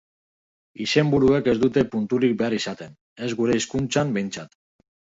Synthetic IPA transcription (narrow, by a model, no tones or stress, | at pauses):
ise̞mbuɾueke̞zd̪ut̪e̞punt̪uɾik̚be̞aɾisat̪e̞n | e̞zɣuɾe̞iskunt͡sambe̞jnt͡sat̪